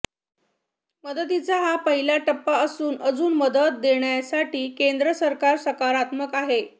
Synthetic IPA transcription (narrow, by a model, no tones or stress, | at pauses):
məd̪ət̪it͡saɦapəɦilaʈəpːaəsuːnəd͡zuːnməd̪ət̪̚d̪eɳjasaʈiːkend̪ɾəsəɾkaɾsəkaɾat̪məkaɦe